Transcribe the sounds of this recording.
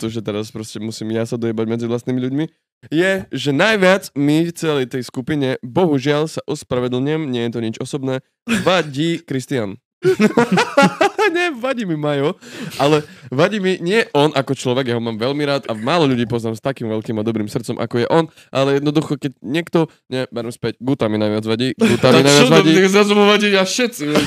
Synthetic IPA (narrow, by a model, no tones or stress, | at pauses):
t̪ɔʒɛt̪ɛɾaspɾɔscɛmusiːmjasad̪ɔjɛbaɟmɛd͡ziʋlast̪niːmiʎuɟmi | jɛʒɛnajʋɪad͡zmift͡sɛlɛjt̪ɛjskupiɲɛbɔɦuʒɪalsaʔɔspɾaʋɛd̪l̩ɲɪɛmɲɪɛjɛt̪ɔɲit͡ʃɔsɔbnɛː | ʋaɟiːkɾist̪ian | ɲɛʋaɟiːmimajɔʔalɛʋaɟiːmiɲɪɛʔɔnʔakɔt͡ʃlɔʋɛɡjaɦɔmaːmʋɛʎmiɾaːt̪amaːlɔʎuɟiːpɔznaːmst̪akiːmʋɛʎkiːmad̪ɔbɾiːmsrt̪t͡sɔmʔa̰kɔjɛʔɔn | ʔalɛjɛd̪nɔd̪uxɔkɛcɲɪɛkt̪ɔ | ɲɛbɛɾɛmspɛɟɡut̪aminajʋɪad͡zʋaɟiːɡut̪aminajʋad͡zʋaɟiːizazumɔʋaɟiaʃɛt̪t͡si